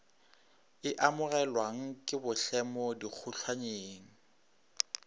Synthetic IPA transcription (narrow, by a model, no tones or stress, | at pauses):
ɪʔamʊrɛlwaŋ̩kʼɪbʊɬɛmɔdik͡xʰʊɬʰwaɲeːŋ̩